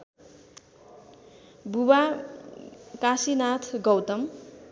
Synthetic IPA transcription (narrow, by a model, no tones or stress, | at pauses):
buba | kasinat̪ʰɡʌwt̪ʌm